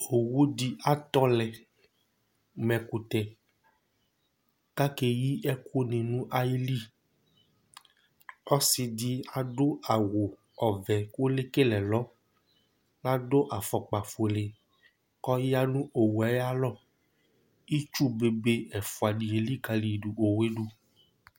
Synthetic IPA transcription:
o˨wu˦di˦a˨t̪ɔ˦lɛ˨ | mɛ̃˨ku˨t̪ɛ˨ | ka˦ke˦ji˦ʔɛ˦kʰu˦nĩ˨nũ˦ʔa˦ji˦li˦ | ɔ˦si˨di˦a˨do˦a˨wo˨ | ɔ˨vɛ˨ko˦le˦ke˦lɛ˨lɔ˨˦ | la˦do˦ʔa˨fɔ˨k͡pa˨fo˨le˨ | kɔ˦ja˦nũ˦ʔo˨wu˨a˨˦ja˦lɔ˦˨ | i˦t͡ʃu˦˨be˨be˦ɛ˨fu˨a˨di˨e˨li˦ka˧li˨du˨ʔo˨we˦ɖu˦

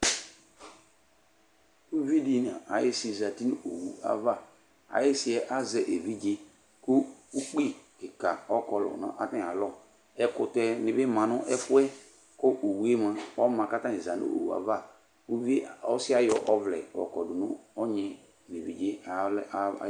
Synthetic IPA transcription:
u˦vi˦di˦˨n˨a̰˨a˨jɪ˦si˨za˨ti˦ni˦˨o˨wu˨a̰˨va˦˨ | a̰˨jɪ˦sɪ˦ɛ˦ʔa˦zɛ˨ʔe˨vi˦d͡ʒe˦ | kʊ˦u˦k͡pi˦kɪ˨ka˨ɔ˦kɔ˨lɔ̰˨nã̰˦ʔa˦tĩ˦˨a˨lɔ˦ | ɛ˦kʊ˨tɛ˦nɪ̃˨bɪ˦mã˨nʊ˦ʔɛ˦fʊ˦ɛ˦ | ko˦ʔo˨wu˨˦e˦mã˨ɔ˦mã˨ka˦ta˦i˨za˨nṵ˦o̰˨wu˨a̰˨va˦˨ | u˦vi˦ɔ˦sɪ˦a˦jɔ˨ʔɔ˦vlɛ̰˨ɔ̰˨kɔ˨dʊ˨nʊ̃˦ɔ˦ɲɛ̃˨ | ni˨vi˨d͡ʒḛ˦˨˦

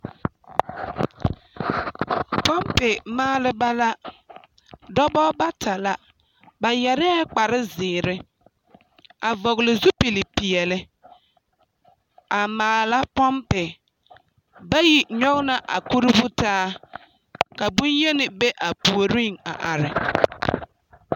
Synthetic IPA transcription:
pɔ˦mpɪ˨maː˦lɪ˦ba˦la˦ | dɔ˦bɔ˦ba˦tʰa˨la˦ | ba˨jɛ˨ɾɛ˦k͡pa˨ɾɪ˦zɪː˨ɾɪ˦ | a˨vɔ˨ɣlɪ˨zu˦pi˨lɪ˨pi˨ɛ˨lɪ˦ | a˨maː˨la˦pɔ˦mpɪ˨ | ba˦ji˨ɲɔ˦ɣna˨ʔa̰˨ku˦ɾɪ˦bʊ˦taː˦ | ka˨bʊ˦nje˦nɪ˨be˦ʔa˨pu˨o˨ɾi˦˨ŋa̰˨ʔa˨ɾɪ˨

